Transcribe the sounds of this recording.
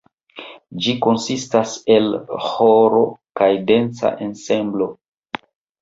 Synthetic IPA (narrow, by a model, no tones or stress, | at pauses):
d͡ʒiko̞nsistase̞lhoɾo̞kajde̞nt͡sa̰ʔense̞mblo̞